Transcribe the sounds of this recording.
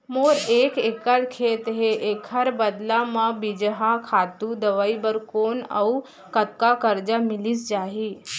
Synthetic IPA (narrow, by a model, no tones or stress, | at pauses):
moɾekekəɽkʰet̪ɦeʔekʰəɾbəd̪lamabid͡ʒɦakʰat̪ud̪əʋaibəɾkoːna̰w | kət̪̚kakəɾd͡ʒamiliːsd͡ʒaɦiː